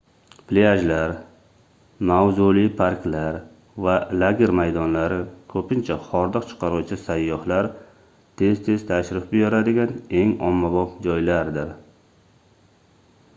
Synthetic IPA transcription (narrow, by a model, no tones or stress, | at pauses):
pʰleaʒlaɾ | mawzulɪpʰaɾkʲlaɾ | valaɡʲeɾmajd̪ɒnlaɾɪkʰɵpʰɪnt͡ʃʰaχɒɾd̪ɨqt͡ʃʰɨ̥qʰɑɾuwt͡ʃʰɪsajːɒhlaɾ | t̪ʰe̞z̥t̪ʰe̞zt̪ʰaʃɾɪfbɪjɒɾad̪ɪɡʲane̞ŋɒ̰mːabɒpd͡ʒɒjlaɾd̪ɪɾ